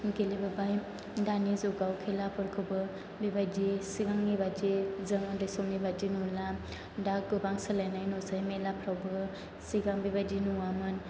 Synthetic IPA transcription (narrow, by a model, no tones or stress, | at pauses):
ɡelibɯbaj | danizɔɡawkʰelapʰɯɾkʰɯbɯ | bibajdisiɡaŋnibadizɯŋɯndɯsomnibadinula | daɡɯbaŋsalajnajnosajmelapʰɾawbɯ | siɡaŋbibajdinuwamɯn